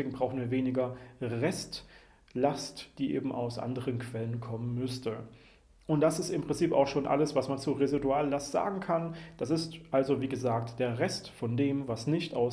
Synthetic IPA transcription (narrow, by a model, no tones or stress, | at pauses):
eːɡŋ̩bʁaʊxn̩viːɐveːnɪɡɐʁɛst | lastd̥iːʔḛːbm̩ʔa̰ʊsʔa̰ndəʁənkv̥ɛlənkʰɔmənmʏstə | ʔʊnt̚d̥asɪstɪmpʁ̥ɪnt͡siːpa̰ʊxʃoːnʔa̰ləsv̥asmant͡suːʁeziduaːlːastz̥a̰ːɡŋ̩kʰand̥asɪstʔalzoviːɡəzaːk̚td̥eːɐʁɛstfɔndeːmvasnɪçtʔaʊ